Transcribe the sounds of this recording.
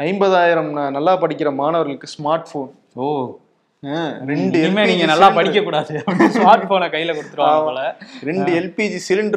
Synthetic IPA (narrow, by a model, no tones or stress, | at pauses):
ɐɪmbɐðaːjɪɾɐmnanɐlːaːpɐɽɪkʲːɪɾɐmaːnɐʋɐɾɣɐɭɯkːɯsmaːɾʈfoːn | o | ɾɛɳɯɛmeːnːŋɡɐnɐlːaːpɐɽɪkːɐkːuːɽaːðɯɐpɐnsmmaːɾʈfoːnɐkɐjːɪlɐkʊɽɯt̪ːɯɾõaːʋɐlɐɾɛɳɖɯɛlpid͡ʒisɪlɪɳɖ